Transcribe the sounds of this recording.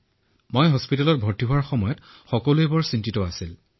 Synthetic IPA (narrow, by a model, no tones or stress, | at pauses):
mojɦɔspitalɔt̚bʱɔɹtiɦʊwaɹxɔmɔjɔt | xɔkɔluebɔɹsintitɔasil